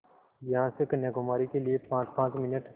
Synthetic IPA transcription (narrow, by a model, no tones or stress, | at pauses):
jɐɦãsekɐnjaɡʊmaːɾikeliepãːt͡ʃpãːt͡ʃmɪnəʈ